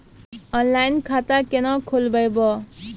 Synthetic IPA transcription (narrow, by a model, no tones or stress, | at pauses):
ʌnlajnkʰat̪akenʌkʰolbʌjbʌ